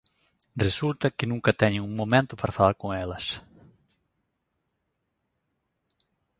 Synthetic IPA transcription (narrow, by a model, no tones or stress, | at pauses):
result̪ɐkɪnũŋkɐt̪ɛɲẽŋuŋmomẽnt̪ʊpaɾafalaɾkoŋɛlɐs